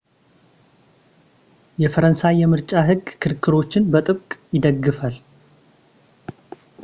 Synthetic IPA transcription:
jɛfəɾənsajːɛmɨɾt͡ʃʼaɦɨɡkʰɨɾkʰːɨɾo̞t͡ʃːɪnbət̪ʼɨβkʼjɪd̪əɡːɨfal

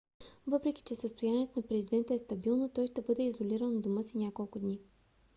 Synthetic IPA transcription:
vɤpɾɛkʲi̥t͡ʃɛsəst̪ojaniɛt̪onɐpɾɛzid̪ɛnt̪əɛst̪ɐbilˠnot̪ɔjʃt̪ɛbɤd̪ɛizoliɾənd̪ʊmɤsinʲakolˠkʊd̪ni

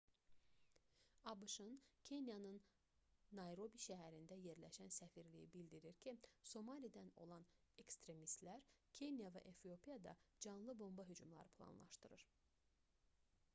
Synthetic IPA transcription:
ɑbɯʃɯncʰe̞njɑnɯnː | ɑjɾo̞biʃæɦæɾind̪æje̞ɾlæʃænsæfiɾlḭjibild̪iɾiɾcʰiso̞mɑlʲijd̪æno̞̰lˠɑne̞kst̪ɾe̞mist̪læɾcʰe̞njɑvæ̰ʔefijo̞pʰijɑd̪ɑ̰d͡ʒɑnlˠɯbo̞mbɑɦyd͡ʒumlˠɑ̰ɾɯpʰlˠɑ̰nlˠɑ̰ʃt̪ɯɾɯɾ̥

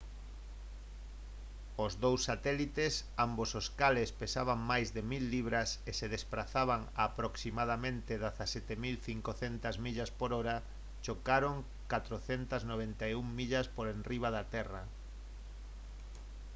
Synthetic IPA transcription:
ozðowsːat̪ɛlit̪esambososkalespesaβaŋmajzðemilːiβ̞ɾaseseðespɾaθaβaŋapɾoksimað̞amẽnt̪eðaθasɛt̪emilθiŋkoθent̪azmiʎaspoɾoɾa | t͡ʃokaɾoŋ | kat̪ɾoθent̪ɐznoβ̞ent̪ajuŋmiʎaspoɾenriβaðat̪ɛra

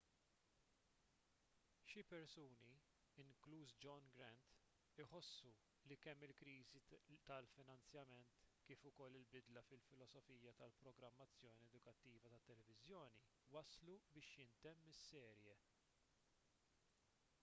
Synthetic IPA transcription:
ʃɪpɛɾsuːni | ɪŋkluːsd͡ʒɔnɡɾɛnt̪ | ɪħɔsːu | likɛmːɪlkɾiːzit̪ɐlfɪnɐnt͡sjɐmɛnt̪kiːfʊkɔlːɪlbɪd̪lɐfɪlfɪlɔsɔfiːjɐt̪ɐlpɾɔɡɾɐmːɐt͡sːjɔːniɛd̪ʊkɐt̪ːiːvɐt̪ɐt̪ːɛlɛvɪzjɔːni | wɐslubɪːʃjɪnt̪ɛmːɪsːɛːɾjɛ

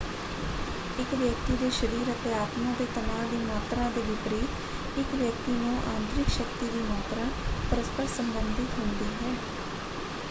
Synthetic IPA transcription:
ɪkʋjək̚t̪iːd̪eːʃəɾiːɾət̪eaːt̪mãːt̪eːt̪ənaːd̪iːmaːt̪ɾãːd̪eːʋɪpɾiːt̪ | ɪkʋjək̚t̪iːnũːʔãːnt̪ɾɪkʃəkt̪iːd̪iːmaːt̪ɾãːpəɾəspəɾsəmbənd̪ɪt̪ɦʊ̃nd̪iːɦɛː

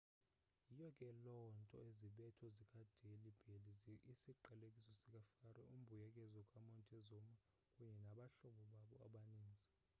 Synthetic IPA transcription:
jijɔkʼɛlɔntʼɔ̰eziɓɛtʰɔzikʼad̥ʱelib̥ʱelizisiǃʱalekʼisɔsik̬ʼafarwɛʔum̩bʱujɛkʼɛzɔkʼamɔntʼɛzɔma | kʼuɲɛnaɓaɬɔɓɔɓaɓɔaɓaniːnd͡zʱi

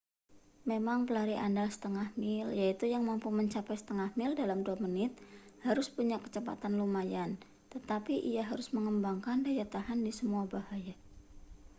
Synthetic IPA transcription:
memaŋpəlaɾiʔandalsə̥t̪əŋahmɪljait̪ujaŋmampʊməɲt͡ʃapajsə̥t̪əŋahmɪldalamduamənɪt̪̚haɾʊspuɲakːə̥t͡ʃəpa̰t̪anlumajan | t̪ət̪apiʔijaɦaɾʊsməŋəmbaŋkandajat̪aɦandisəmuabahaja

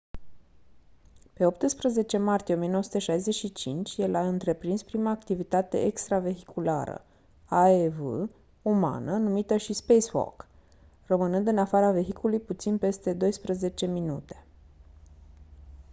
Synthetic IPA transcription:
pe̞o̞pt̪ɨspɾəze̞t͡ʃe̞mart̪ijeo̞mienoosu̥t̪eʃajze̞ʃit͡ʃint͡ʃʲjelaɨnt̪ɾe̞pɾinspɾimaːkt̪ivit̪at̪e̞̰ʔekst̪ɾave̞ɦikula̰ɾə̰ | aevɨ̰ | uma̰nənumit̪əʃispejswo̰k | rəmɨnɨnd̪ɨnafaɾave̞ɦikulujput̪sinpe̞st̪e̞d̪o̞jspɾəze̞t͡ʃe̞minut̪e̞̥

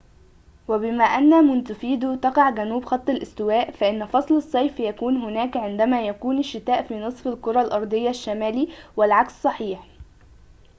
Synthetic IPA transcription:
wæbɪmæːʔænːæmʊnt̪ʊfiːd̪ut̪ɑqɑʕɡænuːbxɑt̪ˤːɑlʔɪst̪ɪwæːʔfæʔɪnːfɑsˤlɑsˤːɑjfjækuːnɦʊnæːkʕɪnd̪æmæːjækuːnɪʃːɪt̪æːʔfiːnɨsˤfɪlkʊɾˤɑlʔɑɾˤd̪ˤɪjːaʃːæmæːliːwɪlʕakssˤɑħiːħ

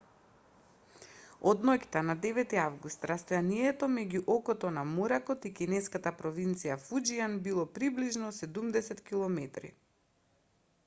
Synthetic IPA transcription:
ɔd̪nɔct̪anad̪ɛvɛt̪iavɡust̪ɾast̪ɔjaniɛt̪ɔmɛɟuʔɔkɔt̪ɔnamuɾakɔt̪ikinɛskat̪apɾɔvint̪sijafud͡ʒianbilˠɔpɾibliʒnɔsɛd̪umd̪ɛsɛt̪kilˠɔmɛt̪ɾḭ

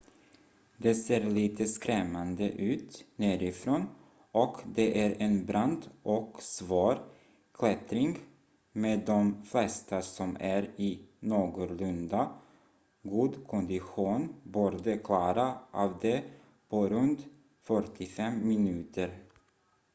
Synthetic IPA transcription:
d̪ɛseːɾliːt̪ʰəskɾɛmːand̪ə̰ʔʉ̟ːt̪næːɾɪfɾoːn | ɔkd̪ɛʔæɾɛnbɾand̪ʔɔksvoːɾ | kʰlɛt̪ɾɪŋɡ | meːd̪ɔmflɛst̪asɔmæɾɪnoːɡʊlɵnd̪a | ɡuːd̪kʰɔnd̪ɪɧuːnbuːɾd̪əkʰlɑːɾaʔɑːvd̪ɛ | pʰɔɾɵnt̪ | fœʈɪfɛmːɪnʉ̟ːt̪ʰəɾ

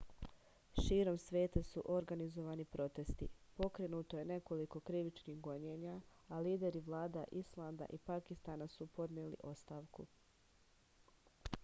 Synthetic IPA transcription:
ʃiːɾo̞msʋe̞ːt̪asuʔo̞ɾɡanizo̞ʋaːnipɾo̞t̪e̞st̪ipo̞kɾe̞nuːt̪o̞je̞ne̞ko̞liko̞kɾiʋit͡ʃniːɡo̞ɲeːɲaaliːd̪e̞ɾiʋlˠaːd̪aʔislˠaːnd̪a̰ʔipakist̪aːnasupo̞d̪ɲeːlḭʔo̞st̪aːʋkṵ

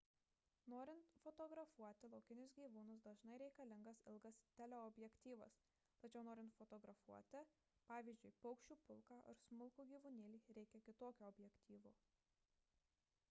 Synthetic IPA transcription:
noːɾʲɪnt̪fɔt̪ɔːɡɾɐfuɔt̪ʲɪlˠɐʊkʲɪnʲʊsɡʲiːʋuːnʊsd̪ɐʒnɐɪɾʲɛɪkɐlʲɪŋɡɐsɪlˠɡɐst̪ʲɛlʲɛɔbʲjɛkʲt̪ʲiːʋɐ̰s | t̪ɐt͡ʃʲɛʊnoːɾʲɪnt̪fɔt̪ɔːɡɾɐfuɔt̪ʲɪ | pɑːʋʲiːzʲd͡ʒʲʊɪpɐʊkʃʲt͡ʃʲuːpʊlˠkɑːʔɐ̰ɾsmʊlˠkuːɡʲiːʋunʲiːlʲiːɾʲɛɪkʲɛkʲɪt̪oːkʲuɔbʲjɛkt̪ʲiːʋuː

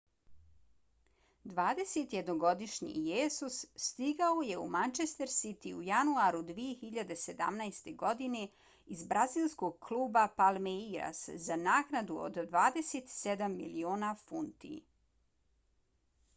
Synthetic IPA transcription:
d̪ʋaːd̪e̞se̞t̪jed̪noɡo̞d̪iʃɲḭjeːsusːt̪iɡaoje̞ṵmant͡ʃest̪eɾsit̪iujanuaɾud̪ʋijexiʎad̪e̞se̞d̪a̰mnajst̪e̞ɡo̞d̪ine̞ | izbɾazilˠsko̞ɡ̚kʰlˠuːbapalˠmeiɾa̰szanaːknad̪uo̰d̪ːʋaːd̪eset̪sed̪amːḭlioːnafunt̪ḭ

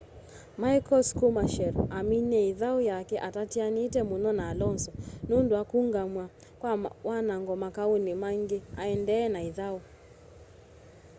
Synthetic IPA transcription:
maikɔskumaʃɛɾɔʔaminɛiðaujakɛʔatatianiːtɛmunɔnaːlɔnsɔnunduakuŋɡamwa | kwawanaŋɡɔmakaunimaŋɡeaɛndɛːnaiðau

